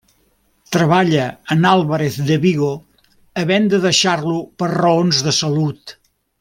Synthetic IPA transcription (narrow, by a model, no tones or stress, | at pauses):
t̪ɾəβaʎəənalˠβəɾeθd̪əβiɣo | əβɛnd̪əðəʃarlupərrəonzðəsəlut̪